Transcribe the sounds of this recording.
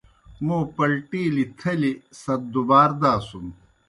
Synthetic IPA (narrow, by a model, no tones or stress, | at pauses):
moːpɐlʈiːlit̪ʰɐlisɐt̪̚d̪ubaːɾd̪aːsum